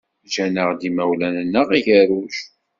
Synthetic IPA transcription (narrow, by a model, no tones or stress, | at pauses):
d͡ʒænəʁd̪imæwlænənːəʁiʝəɾuʃ